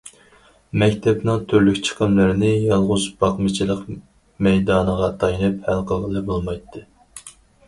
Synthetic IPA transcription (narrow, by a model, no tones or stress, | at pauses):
mɛkʲt̪ʰɛpnɨŋt̪ʰøɾlykʲt͡ʃʰə̥qʰəmlɪɾɪnɪjɑlˠʁʊzbɑqmɨt͡ʃʰilˠəq | mɛjd̪ɑːnəʁɑt̪ʰɑjinɨphælˠqəlʁəlˠɨbolˠmɑjt̪ʰːɨ